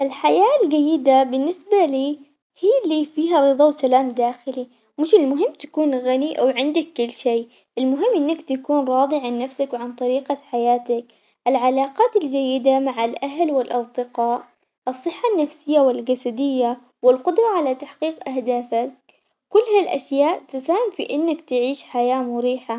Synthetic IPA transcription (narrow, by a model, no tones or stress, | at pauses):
ʔɪlħajaːld͡ʒajːɪd̪abɪnːɪsbaliː | hiːlːifiːɦaɾˤɨðˤɑwsalaːmd̪aːxɪli | mɪʃɪlmʊɦɪmːt̪ḁkuːnɣaniʔawʕɪnd̪akːʊlːʃeː | ʔɪlmʊɦɪmːʔɪnːakt̪akuːnɾˤɑːðˤiʕanːafsakwʕant̪ˤɑɾiːqaħajaːt̪ak | ʔɪlʕalaːqɑːt̪ɪld͡ʒajːɪd̪amaʕalʔaɦlwɪlʔɑsˤd̪ɪqɑːʔ | ʔɨsˤːɨħːanːafsɪjːawɪlɡasad̪ɪjːa | wɪlqʊd̪ɾˤɑʕalat̪aħqiːqʔahd̪aːfakː | ʊlːhalʔa̰ʃjaːʔt̪ʊsaːhɪmfḭʔɪnːakt̪ɪʕiːʃħajaːmʊɾiːħa